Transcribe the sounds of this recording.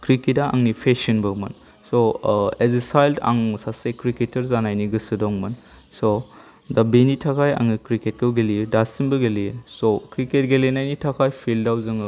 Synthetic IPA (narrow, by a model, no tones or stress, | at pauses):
kɾikitaa̰ŋnipʰesinbɐmɐn | soezesajlda̰ŋsasekɾiketɐɾzanajniɡɯsɯdɔŋmɐn | so | dabinitʰakʰaja̰ŋnikɾiket̚kɯɡelijedasinbɯɡeliesokɾiket̚ɡelenajnitʰakʰajpʰildawzɯŋ